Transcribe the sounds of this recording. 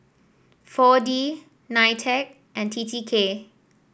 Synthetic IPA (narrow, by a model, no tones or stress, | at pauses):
fɔdi | naɪtʰɛk̚ | ʔɛ̃ntʰitʰikʰe